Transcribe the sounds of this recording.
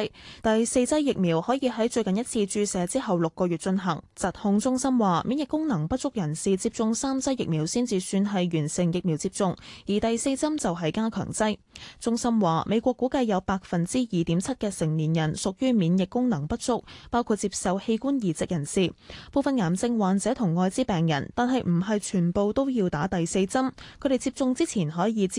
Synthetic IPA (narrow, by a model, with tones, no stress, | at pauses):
t̪ɐ˨jse˧jt͡sɐ˥jːɪ˨k̚miː˨˩whɔː˨˥jiː˨˧ɦɐ˨˥jt͡ʃɵ˧ɥkɐ˨njɐ˥t̚t͡sʰiː˧t͡ʃyː˧sɛː˨˥t͡siː˥ɦɐ˨wlʊ˨kːɔː˧ɥyː˨t̚t͡ʃɵ˧nɦɐ̰˨˩ŋt͡sɐ˨t̚hʊ˧ŋt͡sʊ˥ŋsɐ˥mwaː˨mʔiː˨˥njɪ˨kːʊ˥ŋnɐ˨˩ŋpɐ˥t̚t͡sʊ˥k̚jɐ˨˩nsiː˨t͡siː˧p̚t͡sʊ˧ŋsaː˥mt͡sɐ˥jɪ˨k̚miː˨˩wsiː˥nt͡siː˨syː˧nɦɐ˨jɥyː˨˩nsɪ˨˩ŋjɪ˨k̚miː˨˩wt͡si˧p̚t͡sʊ˧ŋjiː˨˩t̪ɐ˨jse˧jt͡sɐ˥mt͡sɐ˨wɦɐ˨jkaː˥kʰœ̰ː˨˩ŋt͡sɐ˥j | t͡sʊ˥ŋsɐ˥mwaː˨mʔe˨˧kʷɔː˧kːu˨˥kɐ˧jjɐ˨˧wpaː˧k̚fɐ˨nt͡siː˥jiː˨t̪iː˨˥mt͡sʰɐ˥t̚kɛː˧sɪ˨˩ŋniː˨˩njɐ˨˩nsʊ˨k̚jyː˥miː˨˧njɪ˨kːʊ˥ŋnɐ˨˩ŋpɐ˥t̚t͡sʊ˥k̚paː˥wkʰu˧t̚t͡siː˧p̚sɐ˨˧whe˧jkuː˥njiː˨˩t͡sɪ˨k̚jɐ˨˩nsiː˨po˨˧wfɐ˨nŋaː˨˩mt͡sɪ˧ŋwaː˨˩nt͡sɛ˨˥t̪ʰʊ˨˩ŋːɔː˧jt͡siː˥pɛː˨ŋjɐ̰˨˩nt̪aː˨nɦɐ˨jm̩˨˩ɦɐ˨jt͡ʃʰyː˨˩npo˨wt̪o˥wjiː˧wt̪aː˨˥t̪ɐ˨jse˧jt͡sɐ˥mkʰɵ˨˧t̪e˨˩jt͡siː˧p̚t͡sʊ˧ŋt͡siː˥t͡sʰiː˨˩nɦɔː˨˥jiː˨˧